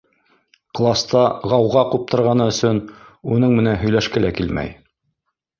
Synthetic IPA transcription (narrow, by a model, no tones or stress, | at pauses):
qlˠɑst̪ɑʁɑwʁɑqup̚t̪ɤ̆ɾʁɑnɤɵ̆sɵnunɤɴmɘ̆nænɦɵ̆jlæʃkælækilmæ̰j